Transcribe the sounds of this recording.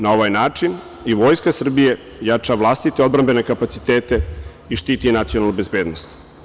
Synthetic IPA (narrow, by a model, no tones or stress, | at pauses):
nao̞ʋajnaːt͡ʂin | iʋo̞ːjskasr̩bije̞ | jat͡ʂaʋlˠast̪it̪eod̪bɾambe̞ne̞kapat̪sit̪eːt̪e̞ | iʃt̪iːt̪inat̪sionalnube̞zbeːd̪nost̪